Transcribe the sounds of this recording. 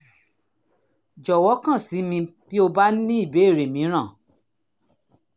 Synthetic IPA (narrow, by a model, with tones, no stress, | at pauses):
d͡ʒɔ˨wɔ˨˦kã˦˨si˨˦mĩ˧b̥i˦o˧ba˦ĩ˦i˦˨be˨˦e˦˨ɾe˨mĩ˨˦ɾ̃ã˦˨